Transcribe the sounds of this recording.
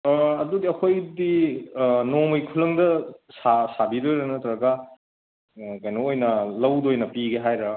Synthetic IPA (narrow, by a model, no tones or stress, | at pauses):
ɐdudiɐkʰojdi | nomɯjkʰulɐŋdɐsasabidojɾɐnɐtɐɾɐɡɐ | kɐjnoojnɐlɐwdojnɐpiɡeɦajɾɐ